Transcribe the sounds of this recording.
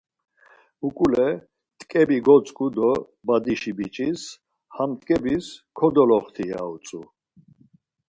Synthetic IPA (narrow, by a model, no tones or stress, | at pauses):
ukʼulɛ | t̪ʼkʼɛbiɡɔt͡sʼkʼud̪ɔ | bad̪iʃibit͡ʃʼis | hamt̪ʼkʼɛbiskʰɔd̪ɔlɔχt̪ʰia̰ut͡sʼu